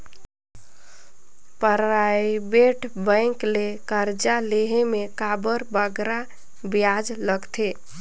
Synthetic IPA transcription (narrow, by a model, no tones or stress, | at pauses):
pəɾajbeʈʰbə̃ɪ̃klekəɾd͡ʒaleɦemekabəɾbəɡɾa | bjad͡ʒləɡt̪ʰe